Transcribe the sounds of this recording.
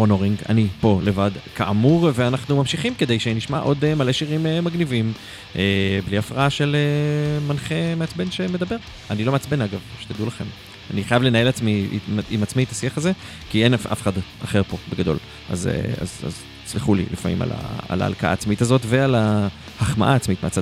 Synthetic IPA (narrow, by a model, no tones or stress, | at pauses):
onoʁiŋɡa̰nipo̞le̞vad̪kaʔamuʁve̞anaχnumamʃiχimke̞d̪e̞jʃeniʃmaʔo̞d̪emale̞ʃiʁimemaɡnivim | ʔebliafʁaaʃe̞lemanχe̞meat͡sbe̞nʃe̞me̞dabe̞ʁ | anilo̞meat͡sbe̞naɡavʃe̥t̪ad̪ulaχe̞m | aniχajavle̞nae̞lat͡smḭimat͡smiet̪asiaχaze̞ | kienaʔa̰feχada̰χe̞ʁpo̞beɡad̪o̞̰l | ʔa̰zḛa̰za̰z | t͡sliχulḭlʔifamḭma̰la̰a̰la̰ːlkaʔa̰ːt͡smit̪azo̞tve̞ala | haχma̰ʔaːt͡smit̪meat͡sad